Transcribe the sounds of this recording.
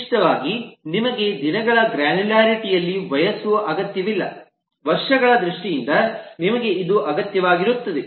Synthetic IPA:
ʈɐʋaːɡinimɐɡe̞d̪inɐɡɐɭɐɡɾaːnuljaːɾiʈijɐlːiʋɐjɐsuʋɐʔɐɡɐt̪jɐʋilːɐ̰ | ʋɐɾʂɐɡɐɭɐd̪ɾuʂʈijind̪ɐnimɐɡe̞id̪uʔɐɡɐt̪jɐʋaːɡiɾut̪ːɐd̪e

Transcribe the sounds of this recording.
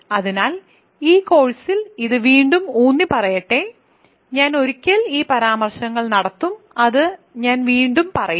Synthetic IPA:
ɐðinaːl | iːko̞ːɻsiliðɨʋiːɳɖumuːnːipɐrɐjɐʈːe | ɲaːno̞ɾikʲːɐliːpɐɾaːmɐrʂɐŋːɐɭnɐɽɐt̪ːum | ɐðɨɲaːnʋiːɳɖumpɐrɐju

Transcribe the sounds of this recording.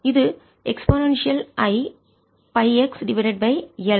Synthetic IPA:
ɪðɯ | ɛksponɐ̃nʃiɐlʔɐɪ | pɐɪɛksɖɪʋɐɪɾeɖ̚bɐɪɛl

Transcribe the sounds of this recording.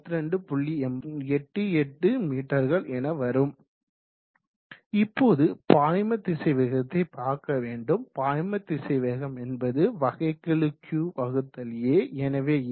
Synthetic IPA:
t̪ːɯɾɐɳɖɯpʊɭːiɛmɛʈːɯɛʈːɯmiːʈːɐɾɣɐɭʔɛnɐʋɐɾɯm | ɪpːoːðɯpaːjmɐt̪ːɪsɐʋɐɣɐt̪ːɐɪpaːɾkɐʋeːɳɖɯmpaːjmɐt̪ːɪsɐʋɐɣɐmɛnbɐðɯʋɐɣɐɪkːɐɭɯkʰjuːʋɐɣɯt̪ːɐljeːɛnɐʋeː

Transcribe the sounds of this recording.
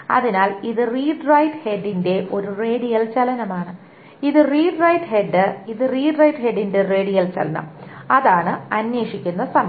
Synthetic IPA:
ɐ̰ðinaːliðɨriːɖrɐjʈheɖːinde̞ʔo̞ɾure̞ːɽijɐlt͡ɕɐlɐnɐmaːɳɨ | iðɨriːɖrɐjʈhe̞ɖːɨiðɨriːɖrɐjʈheɖinde̞re̞ːɽijɐlt͡ɕɐlɐnɐ̰mɐðaːɳɨɐnjeːʂikʲːunːɐsɐm

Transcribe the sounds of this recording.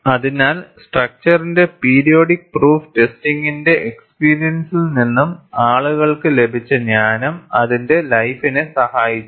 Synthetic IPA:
ɐðinaːlsʈrɐk̚t͡ɕɐrinde̞piːɾijo̞ːɽik̚pruːftestiŋɡinde̞ʔekspiːɾijɐnsilninːumaːɭuɣɐɭkɨle̞bʱit͡ɕːɐɲaːnɐmɐðinde̞lɐjfinɨsɐhaːjit͡ɕːu

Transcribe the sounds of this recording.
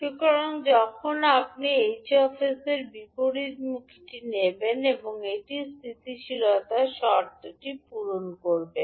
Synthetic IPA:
ikɔɾoŋd͡ʑɔkʰonapniejt͡ɕʰiɔfiseɾbipoɽid̪mukʰi̥ʈinebeneboŋeʈist̪ʰit̪iʃilot̪aʃɔɾt̪oʈipuɾonkoɾbe

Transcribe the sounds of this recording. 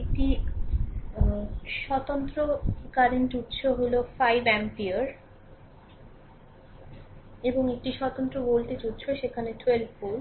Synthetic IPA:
ek̚ʈi | ʃɔt̪ont̪ɾokaɾeɳʈuʈɕʰoɦolofajbɛmpiaɾ | eboŋek̚ʈiʃɔt̪ont̪ɾobolt̪et͡ɕuʈːɕʰoʃekʰaneʈʰoelbfol

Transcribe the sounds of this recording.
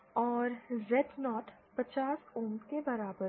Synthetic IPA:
ɔːɾzɛʈnɔːʈ | pɐt͡ʃaːsuːmt̪kebɐɾaːbəɾ

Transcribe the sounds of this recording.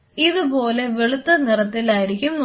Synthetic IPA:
iðubo̞ːle̞ʋeɭut̪ːɐnirɐt̪ːilaːjiɾikʲːumː

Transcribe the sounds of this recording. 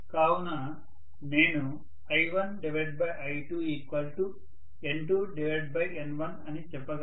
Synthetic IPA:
kaːwunɐ | ne̞ːnu | ɐjʋɐnɖiʋeɖ̚bɐjʔɐjʈuiːkʋɐlʈu | eɳʈuːɖiʋeɖ̚bɐjenʋɐnɐnit͡ʃɛpːɐɡ

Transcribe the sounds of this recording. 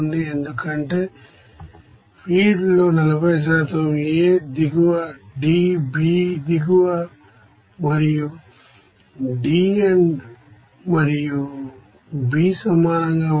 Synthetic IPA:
nd̪iend̪ukɐɳʈe̞ː | pʰiːɖlo̞ːnɐlɐbɐjɐs̬aːt̪ɐmeːd̪iɡuʋɐɖiːbiːd̪iɡuʋɐ | mɐɾiju | ɖiːen | mɐɾiju | biːsɐmaːnɐŋɡaː

